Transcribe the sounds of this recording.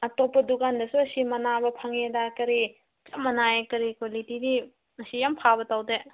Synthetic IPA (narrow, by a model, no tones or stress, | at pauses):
ɐtopːɐdukandɐsuɐsimɐnabɐpʰaŋedakɐɾi | t͡ʃɐmɐnaekɐɾikolitidi | ɐsijampʰabɐtawde